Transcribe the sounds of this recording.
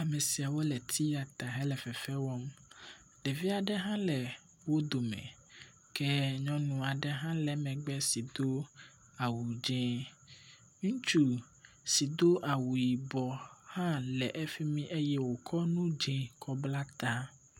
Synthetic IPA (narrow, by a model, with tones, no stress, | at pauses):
a˨mɛ̃˨si˨a˨wo˦lɛ˨t̪ʰi˦ja˨t̪a˨ɦɛ̃˦lɛ˨fɛ˨fɛ˦wɔ˦m | lɛ˨vi˦a˨ɖɛ˦ɦã˦lɛ˨ | wo˦d̪o˨mɛ̰̃˨ | kɛ˦ɲɔ̃˦nũ˨a˨ɖɛ˦ɦã˦lɛ˨mɛ̃˨ɡ͡bɛ˦si˨d̪o˦ | a˨wu˨d͡ʒɛ̃˦ | ŋũ˦t͡ʃu˦ | si˨d̪o˦ʔa˨wu˨ji˨bɔ˨hã˦lɛ˨ʔɛ˦fi˦mĩ˦ʔe˦jɛ˦wo˨kʰɔ˦nũ˦d͡ʒɛ̃˦kʰɔ˦bla˦t̪a˦